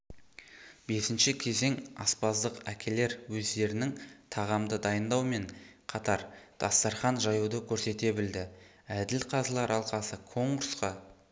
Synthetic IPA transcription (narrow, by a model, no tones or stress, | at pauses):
be̞sɪnʃɪkʲʰe̞ze̞ŋɑ̰spɑzd̪əqækʲʰe̞le̞ɾwɵzd̪e̞ɾɪnɪŋt̪ʰɑʁɑmd̪əd̪ɑjənd̪ɑwme̞ɴqʰɑt̪ɑɾd̪̥ɑst̪ɑɾχɑnʒɑjud̪əkʲʰɵɾse̞t̪e̞bɪld̪ɪ | æd̪ɪlqʰɑzəlˠɑɾɑlˠqɑsəkʰo̞ɴɡʊɾsqɑ